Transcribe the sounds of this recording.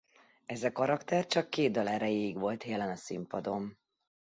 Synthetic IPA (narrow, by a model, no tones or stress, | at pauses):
ɛzɒkɒɾɒkt̪ɛrt͡ʃɒkːeːd̪̚ːɒlɛɾɛjeːiɡʋo̞lt̪jɛlɛnɒsḭmpɒd̪o̞m